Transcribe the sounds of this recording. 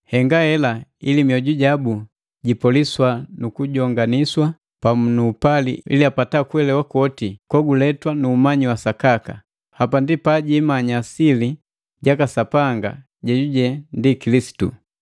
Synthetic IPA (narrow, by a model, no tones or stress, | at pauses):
hɛŋɡahɛlailimiɔɟuɟabu | ɟipɔliswanukuɟɔŋɡaniswa | pamunuːpalḭḭliapatakwɛlɛwakɔtikɔɡulɛtwanuːmaɲiwasakaka | hapandipaɟimaɲasili | ɟakasapaŋɡa̰ | ɟɛɟuɟɛndikilisi̥tṵ